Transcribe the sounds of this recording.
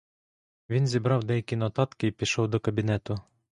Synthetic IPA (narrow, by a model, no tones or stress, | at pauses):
ʋʲinzʲibɾɑwd̪ɛjɐkʲinɔt̪ɑt̪kɪipʲiʃɔwd̪ɔkɐbʲinɛt̪ʊ